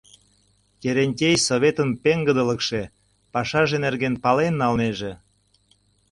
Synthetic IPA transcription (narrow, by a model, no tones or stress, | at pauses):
kʲeɾenʲtʲejsoβʲet̪ənpeŋɡəd̪ələkʃe | pɑʃɑʒenerɣenpɑlenːɑlneʒĕ